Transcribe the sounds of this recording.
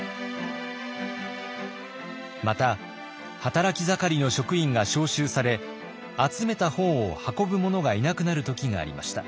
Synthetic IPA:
mat̪a | hat̪aɾakʲizakaɾʲino̞ɕo̞kɯ̟ĩŋɡaɕo̞ːɕɨːsaɾe̞ | at͡sɨme̞t̪ahõ̞ɰ̃ohako̞bɯ̟mo̞no̞ɡainakɯ̟naɾɯ̟t̪o̞kʲiɡa̰ːɾʲḭma̰ɕi̥t̪a̰

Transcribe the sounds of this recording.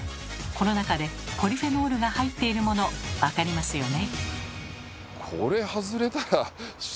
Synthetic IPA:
ko̞no̞nakad̪e̞ko̞ɾʲiɸe̞no̞ːɾɯ̟ɡahait̪ːe̞iɾɯ̟mo̞no̞βakaɾʲimasɨjo̞ne̞ | kʰo̰ɾe̞hazɨɾe̞t̪aɾa

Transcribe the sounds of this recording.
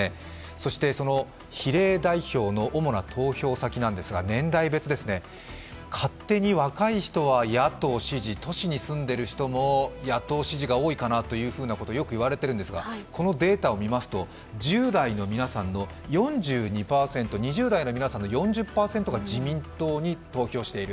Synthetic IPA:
e | so̞ɕi̥t̪e̞so̞no̞ | çiɾe̞ːd̪aiço̞ːno̞ʔomo̞nat̪ʰo̞ːçʲo̞ːsakʲinãnd̪e̞sɨɡa̰nẽ̞nd̪aibe̞t͡sɨd̪e̞sɨne̞ | kʰat̪ːe̞ɲ̟iβakaiçi̥t̪o̞β̞ajat̪o̞ːɕiʑit̪o̞ɕiɲ̟isɨ̃nd̪e̞ɾɯ̟çi̥t̪o̞mo̞jat̪o̞ːɕiʑiɡaoːikanat̪o̞jɯ̟ːɸɯ̟ːnako̞t̪ojo̞kɯ̟iβaɾe̞t̪e̞ɾɯ̟nd̪sɨɡa̰kʰo̞no̞d̪e̞ːt̪ao̞mʲimasɨ̥t̪o̞ | d͡ʑɨːd̪aino̞mʲinasãnːo̞ | jõ̞ɲ̟d͡ʑɨːɲ̟ipaːsẽ̞nt̪o̞ɲ̟iʑɨːd̪aino̞mʲinasãnːo̞jõ̞ɲ̟d͡ʑɨpːaːse̞nt̪o̞ɡad͡ʑimʲĩnt̪o̞ːɲ̟it̪o̞ːço̞ːɕi̥t̪e̞iɾɯ̟

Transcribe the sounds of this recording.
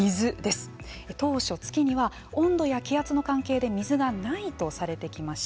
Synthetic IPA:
izɨd̪e̞sɨ̥ | t̪o̞ːɕo̞t͡sɨ̥kʲiɲ̟iβa | õ̞nd̪o̞jakʲijat͡sɨno̞kãŋke̞ːd̪e̞mʲizɨɡanait̪o̞saɾe̞t̪e̞kʲimaɕi̥

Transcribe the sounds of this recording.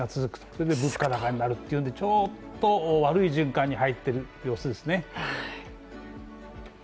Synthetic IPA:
at͡sɨzɨkɯ̥t̪soɾed̪ebɯ̟kːad̪akaɲ̟inaɾɯ̟t̪ːeiɯ̟nd̪et͡ɕo̞ːd̪oβaɾɯ̟iʑɨ̃ŋkãɲ̟ːihait̪ːe̞ɾɯ̟ | jo̞ːsɨd̪e̞sɨne̞

